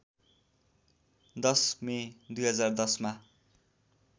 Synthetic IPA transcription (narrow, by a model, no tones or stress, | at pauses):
d̪ʌsmed̪ujɦʌd͡zard̪ʌsma